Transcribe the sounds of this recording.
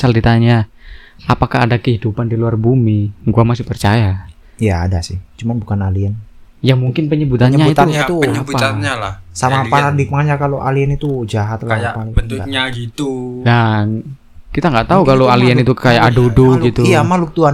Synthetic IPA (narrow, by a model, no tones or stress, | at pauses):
saldit̪aɲa | apakahadakəɦidupandiluarbumiɡuamasɪpərt͡ʃaja | ijaːdasɪ̰ht͡ʃumanbukanaliɛn | jamuŋkɪnpəɲəbut̪anɲauit̪auɲat̪uapaaalasamapaɾadɪk̚maaɲakaloʔaliɛnit̪ud͡ʒaɦat̪laapalɡaɲaɡit̪udan | kit̪aŋɡaʔt̪aukaloaliɛnit̪ukajaʔaduduɡit̪uijamahluk̚t̪uan